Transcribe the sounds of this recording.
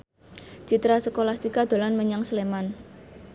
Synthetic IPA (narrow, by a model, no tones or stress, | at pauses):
t͡ʃit̪ɾasəkolast̪ikad̪̥o̤lanməɲaŋsəleman